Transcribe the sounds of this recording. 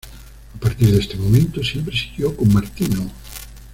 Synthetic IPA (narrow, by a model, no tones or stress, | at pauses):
apaɾt̪iɾðest̪emomẽnt̪ʊsjempɾesi̥ɣjowkomːaɾt̪ino